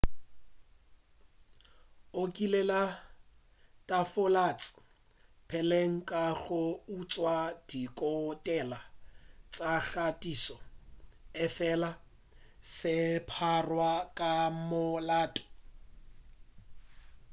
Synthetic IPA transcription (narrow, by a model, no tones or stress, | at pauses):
okʼilɛla | tʼafʊlat͡sʼɪ̥ | pʰɛleŋ̩kʼaɣʊut͡sʼwad̥ikʼɔtʼɛlat͡sʼaɣatʼisɔ | ɪfɛla | sɪpʰarwakʼamʊlaːtʼɛ̥